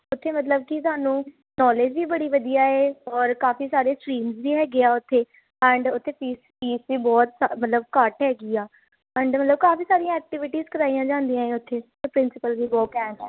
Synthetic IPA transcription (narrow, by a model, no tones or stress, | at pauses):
ʊt̪ʰːeːmət̪ləb̚kɪt̪̬ʊaːnũː | nɔːled͡ʒʋiːbəɽiːʋəd̪ijaːeːɔːɾkaːfiːsaːɾeːskɾiːmzʋiːɦɛːɡɪaːʊt̪ʰːeː | ɛ̃ːɳɖʊt̪ʰːeːpiːspiːsʋiːbɔːt̪samət̪ləb̚kəʈɦɛːɡiːaː | ɛ̃ːɳɖmət̪ləb̚kaːfiːsaːɾijãːɛːk̚ʈɪʋɪʈiːzkəɾaːijãːd͡ʒãːnd̪ijãːeːʊt̪ʰːeːt̪əpɾɪ̃nsɪpəlʋiːbɔːt̪ɛ̃ːɳʈɛ̰ː